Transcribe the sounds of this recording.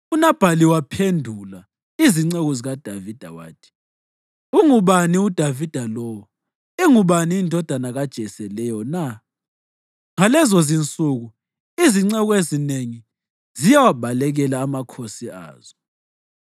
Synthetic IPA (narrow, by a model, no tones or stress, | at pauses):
unab̥ʱaliwapʰendʱula | iziŋ͡ǀɛɣɔziɣad̥ʱavid̥ʱa̰wa̰ːtʰi̥ | uŋuβaniud̥ʱavid̥ʱalɔːwɔ | iŋuβaniindʱɔd̥ʱanaɣad̥ʒ̥ʱɛsɛlɛjɔna | ŋalɛzozint͡sʼuɣu | iziŋ͡ǀɛɣɔezineŋi | zijawab̥ʱalɛɣɛlaːmakʰosia̰ːz̥ɔ